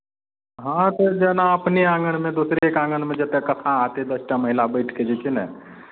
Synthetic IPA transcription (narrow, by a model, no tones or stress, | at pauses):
ɦãt̪ɔd͡ʒɛnaəpniãːɡəɽ̃mẽd̪usɾeekãɡəɽmẽd͡ʒɛt̪ekət̪ʰãat̪ed̪əsʈaməɦilabəɪʈʰked͡ʒɛt͡ʃinɛ